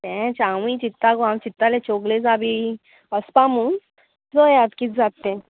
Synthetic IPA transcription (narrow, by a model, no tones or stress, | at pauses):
t̪ɛ̃t͡ɕaʋĩt͡ɕit̪ːaɡãwt͡ɕit̪ːalet͡ɕoɡled͡zabi | əspamuːn | d͡zojat̪kit̪d͡zat̪ːẽ